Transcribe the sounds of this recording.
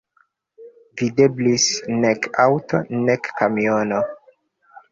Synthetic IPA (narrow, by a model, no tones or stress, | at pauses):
videblisnekawto̰nekːamiono